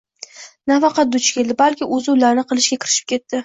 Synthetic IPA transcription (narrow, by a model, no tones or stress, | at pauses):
nafɑqɑt̪̚d̪ʊt͡ʃʰkʲe̞ld̪ɪbalkʲɪʔʊzɪʊlaɾnɪqʰɨlˠɪʃɡʲakʲɪɾɪ̥ʃɪ̥p̚kʲe̞t̪ːɪ